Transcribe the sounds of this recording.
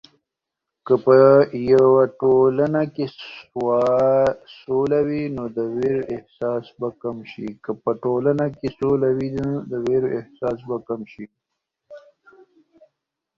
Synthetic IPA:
kəpəjawaʈolanakeswɑ | solawinod̪əweɾoʔɪhsɑːsbakamʃḭkəpəʈolanakesolawind̪əweɾoɪhsɑːsbakamʃi

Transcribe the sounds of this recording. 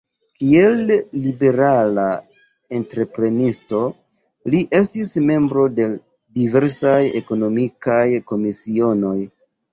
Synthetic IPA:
kie̞lːibe̞ɾala | e̞ntɾe̞pɾe̞nisto̞ | liʔe̞stisme̞mbɾo̞de̞ | dive̞ɾsaje̞ko̞no̞mikajko̞misio̞no̞j

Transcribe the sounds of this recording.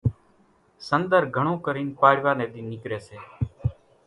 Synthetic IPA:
sənd̪əɾɡʱəɳ̃õːkəɾiːnpaːɽɪʋaːneːd̪iːnɪkɾeːseː

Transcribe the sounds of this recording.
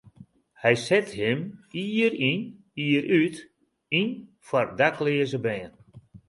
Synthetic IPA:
hɛjsɛthɪmiːɾin | iəɾyt | in | fɔrdaklɪːəzəbɛːn

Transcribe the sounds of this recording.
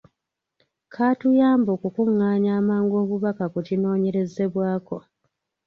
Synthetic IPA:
kʰaːtujaːmboːkukuŋːaːɲaːmaːŋɡo̞ːβuβakakucino̞ːɲe̞ɾe̞ze̞βwaːko̞

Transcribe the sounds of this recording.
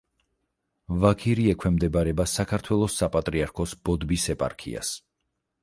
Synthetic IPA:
vakʰiɾiɛkʰwɛmd̪ɛbaɾɛbasakʰaɾt̪ʰwɛlˠɔsːapʼat̪ʼɾiaɾkʰɔsb̥ɔd̪bisɛpʼa̰ɾkʰḭa̰s

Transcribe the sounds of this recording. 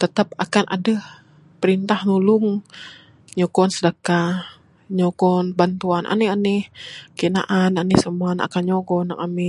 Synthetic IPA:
t̪ət̪apakanʔa̰dəh | pəɾint̪ahnulʊŋ | ɲoɡɔnsədaka | ɲoɡɔnbant̪uanʔa̰nɪhanɪhkena̰ʔananɪhsəmuana̰kanɲɔɡɔnaŋami

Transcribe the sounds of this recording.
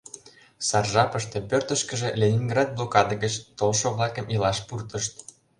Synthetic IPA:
sɑrʒɑpə̆ʃt̪ĕpørt̪ə̆ʃkə̆ʒĕlʲenʲinɡrɑd̪̚blˠokɑd̪əɣət͡ɕt̪olʃoβlɑkə̆milɑʃpurt̪əʃt̪

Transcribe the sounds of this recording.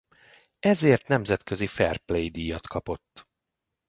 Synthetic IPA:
ɛzeːrt̪nɛmzɛt̪køzifɛrplejd̪iːjɒt̪kɒpo̞t̪ː

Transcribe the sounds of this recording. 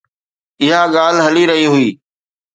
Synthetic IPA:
ɪɦaɠaːl̤ɦəliɾɐɦiɦʊiː

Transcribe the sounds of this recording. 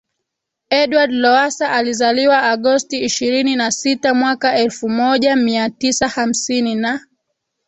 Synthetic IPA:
ɛɗwadlɔasaʔalizaliwaaɠɔstiːʃiɾininasitamwakaɛlfumɔʄamiatisaham̩sinina

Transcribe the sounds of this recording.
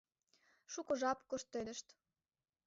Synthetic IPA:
ʃukŏʒɑpkoʃt̪ːed̪ə̆ʃt̪

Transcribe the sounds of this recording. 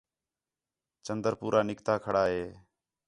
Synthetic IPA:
t͡ʃənd̪əɾpuːɾʔaːnɪkt̪aːkʰəɽaːɦeː

